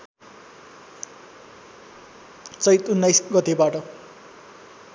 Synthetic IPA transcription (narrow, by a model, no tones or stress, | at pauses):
t͡sʌjt̪unːʌjsɡʌt̪ebaʈʌ